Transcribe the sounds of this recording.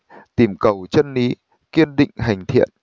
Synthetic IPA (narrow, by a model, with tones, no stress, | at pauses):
t̪i˧˩mkə˨˩wt͡ɕə˧nli˨˦ | ki˧ənɗḭ̈˧˨ŋ̟ɦa˨˩jŋ̟t̪ʰḭ˧˨ən